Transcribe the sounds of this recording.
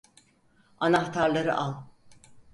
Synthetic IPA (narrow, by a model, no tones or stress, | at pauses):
anaht̪ʰaɾlˠaɾɯ̰ʔalˠ